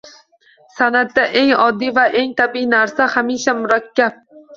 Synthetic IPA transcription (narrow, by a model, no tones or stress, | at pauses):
sanat̪d̪ːaʔe̞ŋɒd̪ːijvaʔe̞ŋt̪ʰabiinaɾsahamiʃamʊɾakʲʰːab̥̚